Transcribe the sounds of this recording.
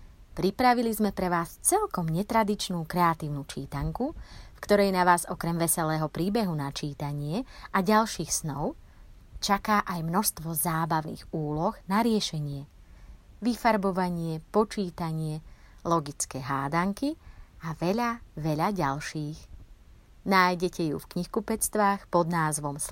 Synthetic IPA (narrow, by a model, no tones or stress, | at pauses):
pɾipɾaʋilizmɛpɾɛʋaːst͡sɛlkɔmɲɛt̪ɾad̪it͡ʃnuːkɾɛat̪iːʊnut͡ʃiːt̪aŋkufkt̪ɔɾɛjnaʋaːzɔkɾɛmʋɛsɛlɛːɦɔpɾiːbɛɦunat͡ʃiːt̪aɲɪɛaɟalʃiːxsnɔʊ | t͡ʃakaːʔajmnɔʃst̪ʋɔzaːbaʊnḭːɣuːlɔɣnaɾɪɛʃɛɲɪɛ | ʋifaɾbɔʋaɲɪɛpɔt͡ʃiːt̪aɲɪɛ | lɔɡit͡skɛːɦaːd̪aŋkiaʋɛʎaʋɛʎaɟalʃiːx | naːjɟɛcɛjṵfkɲixkupɛt͡st̪ʋaːxpɔd̪naːzʋɔms